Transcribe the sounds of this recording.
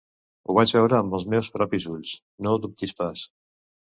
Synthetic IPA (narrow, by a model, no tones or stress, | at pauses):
uβad͡ʒβɛwɾaːmbəlˠzmɛwspɾɔpizuʎs | nod̪up̚t̪ispas